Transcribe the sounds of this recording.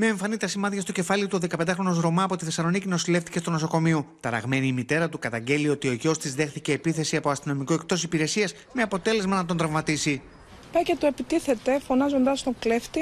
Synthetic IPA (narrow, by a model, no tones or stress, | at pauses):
me̞ːɱfɐnit̪ɐsimɐt̪çɐst̪o̞ce̞fɐliot̪uoðe̞kɐpend̪ɐxɾo̞no̞zɾo̞mɐːpo̞t̪iθe̞sɐlo̞nicino̞sile̞ft̪i̥ce̞st̪ono̞so̞ko̞miot̪ɐɾɐ̰ɣme̞niːmit̪e̞ɾɐt̪ukɐt̪ɐɲɟe̞lio̞t̪io̞ʝo̞st̪izðe̞xθiceːpiθe̞siɐpoɐst̪ino̞mikoe̞k̚t̪o̞sipiɾe̞siɐs | me̞ɐpo̞t̪e̞le̞zmɐnɐt̪o̞nd̪ɾɐvmɐt̪isi | pɐcet̪uepit̪iθe̞t̪efo̞nɐzo̞nd̪ɐst̪okleft̪i